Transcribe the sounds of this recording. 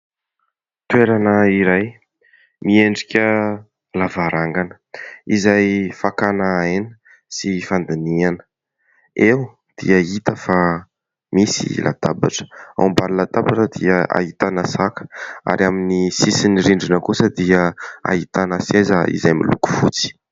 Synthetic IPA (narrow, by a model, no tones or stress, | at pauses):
t̪ueɾanəiɾaj | mieɳɖ͡ʐikʲə | lavaɾaŋɡanə̥ | izajfakanaenə̥ | sifand̪inianə̥ | ew | d̪̥ḭəit̪əfa | misḭlʔa̰d̪abaʈ͡ʂə̥a̰mbaɾlad̪abaʈ͡ʂəd̪iəʔa̰ɦit̪anasakə̥a̰ɾiaminisisiniɾiɳɖ͡ʐinəkusəd̪iəa̰ɦit̪anasezəḭzajmḭlṵku̥fut͡si̥